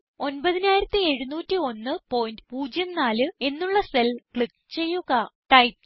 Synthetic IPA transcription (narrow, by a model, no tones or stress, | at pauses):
o̞nbɐðinaːjiɾɐt̪ːie̞ɻunuːtːio̞nːɨpo̞ːjndpuːd͡ʑjɐmnaːlɨe̞nːuɭːɐse̞lkɭik̚ | t͡ɕe̞jːuɣɐʈɐjp̚